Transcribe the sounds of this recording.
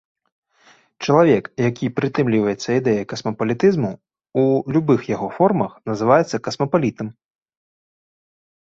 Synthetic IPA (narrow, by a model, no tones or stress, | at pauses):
t͡ʃɐlˠavʲɛkjakʲipɾɨt̪ɨmlʲivɐjɛt̪sːɐid̪ɛjɐkɐsmɐpɐlʲit̪ɨzmu | ulʲubɨxjaɣɔfɔrmɐxnɐzɨvajɛt̪sːɐkɐsmɐpalʲit̪ɐm